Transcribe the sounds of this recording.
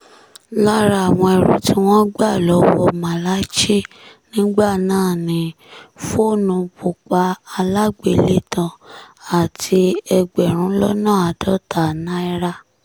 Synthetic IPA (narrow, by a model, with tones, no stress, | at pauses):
la˦ɾa˧a˨w̃ɔ̃˧ɛ˧ɾṵ˨˦ti˦w̃ɔ̃˦ɡ͡ba˦˨lɔ˨˦wɔ˧mã˨la˦t͡ʃi˦˨ | nĩ˦ɡ͡ba˦˨nãː˦˨nĩ˨˦ | fo˦˨nũ˧bu˨k͡pa˧˦a˧la˦ɡ͡be˨le˦tã˧a˨tʰi˧ɛ˧ɡ͡bɛ˨ɾ̃ũ˨˦lɔ˦nãː˦˨a˨dɔ˦tʰa˨nã˦i˧ɾa˦